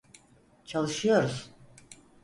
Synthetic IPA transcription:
t͡ʃʰalˠɯʃɯjo̞ɾuz̥

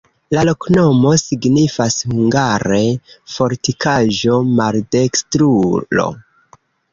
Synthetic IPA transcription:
lalo̞kno̞mo̞siɡnifashuŋɡaɾe̞fo̞ɾtikʰaʒo̞malde̞kstɾulo̞̰

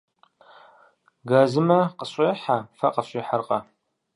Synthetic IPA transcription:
ɡaːzɨmɐqəɕʼeːħafɐqʼəɕʼiːħarqʼɐ

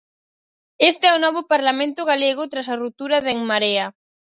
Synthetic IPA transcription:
est̪eɛunɔβ̞ʊpaɾlamẽnt̪ʊɣaleɣ̞ʊt̪ɾasarut̪uɾaðeŋmaɾea

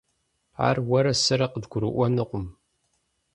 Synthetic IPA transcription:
a̰rwɐɾɐsɐɾɐqədɡʷʊɾɨ̰ʔʷɔnɨqʷʊm

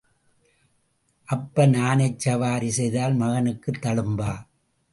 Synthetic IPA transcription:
ʔɐpːɐnaːnɐɪt͡ʃːɐʋaːɾisɛjðaːlmɐɣɐnɯkːɯt̪ːɐɭɯmbaː

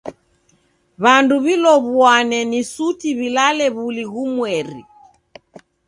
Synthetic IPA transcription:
βanduβilɔβwanɛnisutiβilalɛβuliɣumwɛɾḭ

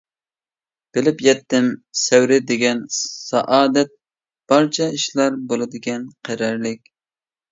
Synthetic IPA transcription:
b̥ɪlɪpjɛt̪ːɪmsɛwɾɪd̪eɡʲɛnsɑʔɑːd̪ɛt̪̚ | b̥ɑɾt͡ʃʰɑiʃlˠɑɾbolˠɨd̪ɪɡʲɛnqʰæɾɛɾlɪkʲ

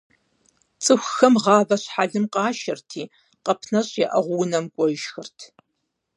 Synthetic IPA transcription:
t͡sʼɨxʷxɐmʁɑːvɐɕħaɮɨmqɑːʃɐrtʰiː | qɐpʰnɐɕʼjɛʔɐʁʷʊwnɐmkʷʼɔjɪʃxɨrtʰ

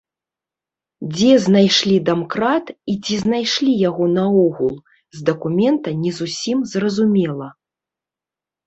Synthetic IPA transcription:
d͡zʲɛznajʂlʲid̪amkɾat̪it͡sʲiznajʂlʲijaɣɔnɐɔɣulˠ | zd̪ɐkumʲɛnt̪ɐnʲɛzusʲimzrɐzumʲɛlˠɐ

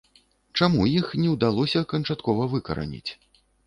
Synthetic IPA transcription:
t͡ʂamujixnʲɛwd̪alˠɔsʲɐkɐnt͡ʂat̪kɔvɐvɨkɐ̰ɾa̰nʲḭt͡sʲ

